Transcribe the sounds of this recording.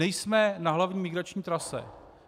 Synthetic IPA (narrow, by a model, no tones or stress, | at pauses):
ɛjsmɛnaɦlavɲiːmɪɡɾat͡ʃɲiːt̪ɾasɛ̰